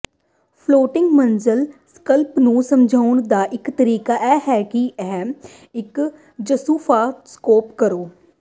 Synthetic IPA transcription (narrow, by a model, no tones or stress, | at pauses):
pʰloːʈɪ̃ŋɡmənzəlskəlpnũːsəmd͡ʒʱaːʊnd̪aːʔɪkt̪əɾiːkaʔɛːɦɛːkiɛɦɛ̃m | ɪk | d͡ʒəsuːfʰaːskoːpkəɾoː